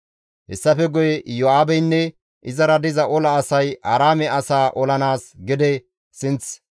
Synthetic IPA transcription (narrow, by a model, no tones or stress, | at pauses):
hɛ̰sːɐfɛɡɔjɛjɔaːbɛjnːɛ | ʔɪzɐɾɐd̪ɪzɐʔɔlɐːsɐjʔɐɾaːmɛɐsaːʔɔlɐnaːsɡɪd̪ɛ | sɪnt͡s